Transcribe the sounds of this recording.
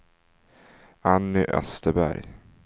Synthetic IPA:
anːʏʔœ̰st̪əbæ̰ɾj

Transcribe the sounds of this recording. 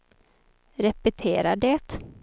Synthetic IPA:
ɾɛpɛt̪ʰeːɾaɖɛːt̪

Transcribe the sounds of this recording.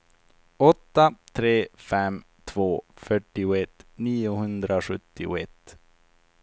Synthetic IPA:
ɔt̪ːat̪ʰɾeːfɛm | t̪ʰvoːfœʈːɪʊɛt̪ːniːʊɦɵnd̪ɾaɧɵt̪ːɪʊ̰ɛt̪ː

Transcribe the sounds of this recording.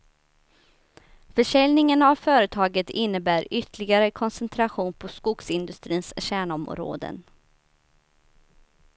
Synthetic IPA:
fœʂɛlnɪŋənavfœːɾət̪ʰɑːɡət̪ɪnːəbæːɾʏt̪ʰəlɪɡaɾəkʰɔnsɛnt̪ʰɾaɧuːnpʰɔskʊksɪnd̪ɵst̪ɾiːnsɕæːɳɔmɾo̰ːd̪ə̰n

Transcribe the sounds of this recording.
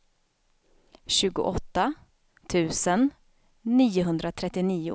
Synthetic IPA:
ɕʉ̟ːɡʊ̰ʔɔt̪ːa | t̪ʰʉ̟ːsənː | iːʊɦɵnd̪ɾat̪ʰɾɛt̪ːɪniːʊ̰

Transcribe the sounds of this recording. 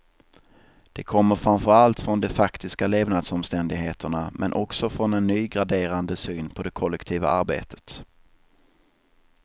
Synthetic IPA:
d̪̥ɛkʰɔmːəɾfɾamfœɾalt̪fɾɔnd̪ɛfakt̪ɪskaleːvnaːd̪sɔmst̪ɛnd̪ɪɡɦeːt̪əɳamʔɛnʔɔksɔfɾɔnɛnːyːɡɾad̪eːɾand̪əsyːnpʰɔd̪ɛkʰɔlːɛkt̪ʰiːva̰aɾbḛːt̪ʰə̥t̪

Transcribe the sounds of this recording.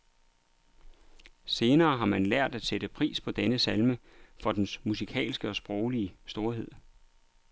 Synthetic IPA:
se̝ːnɐːɦɑ̈mænlæɐ̰d̥æd̥sed̥əpʰʁḭːspʰɒ̽d̥enəsælməfɒ̽d̥ensmusikʰɛ̰ːlsɡ̥əɒ̽sb̥ʁɒʊliəsd̥o̝ɐɦe̝ð̰ˠ

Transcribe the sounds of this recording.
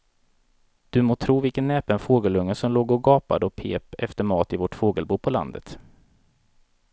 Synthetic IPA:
d̪̥ɵmoːt̪ʰɾuːvɪlkənːɛːpənfoːɡəlɵŋːəsɔmloːɡɔɡɑːpa̰d̪əɔpʰḛːpɛft̪əmɑːt̪ɪvɔʈfoːɡəlbuːpʰɔla̰nd̪ət̪

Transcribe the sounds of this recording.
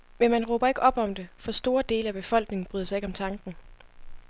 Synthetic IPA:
menmænʁoːb̥ɐe̝ɡ̥ɒ̽b̥ɒ̽md̥e̝fɒ̽sd̥o̝ːɐd̥e̝ːləæb̥e̝fɒ̽l̰ɡ̥ne̝ŋn̩b̥ʁyːðˠsɑ̈ɪe̝ɡ̥ɒ̽mt͡sʰɑ̈ŋɡ̥n̩

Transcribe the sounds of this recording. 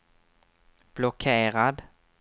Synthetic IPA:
b̥lʊkʰeːɾad̪

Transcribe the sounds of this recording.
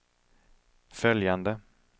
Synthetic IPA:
fœljand̪ə

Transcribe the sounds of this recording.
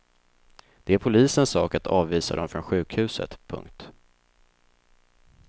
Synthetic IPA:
d̪̥ɛæɾpʰʊliːsənsːɑːkat̪ʰɑːvviːsa̰d̪ɔmfɾɔnɧʉ̟ːkhʉ̟ːsə̰t̪pʰɵ̰ŋkt̪

